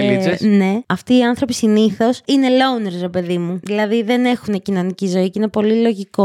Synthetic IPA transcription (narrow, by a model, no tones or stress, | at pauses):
ne̞ɐft̪iːɐnθɾo̞pisiniθo̞sine̞louneɾsɾe̞pe̞ðimuðilɐðiðe̞ne̞xune̞cino̞nicizo̞icine̞po̞lilo̞ʝiko̞